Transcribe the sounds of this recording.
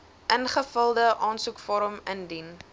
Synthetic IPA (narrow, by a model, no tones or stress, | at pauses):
ʔənχəfəlˠdəʔɑːnsukfɔɾəməndin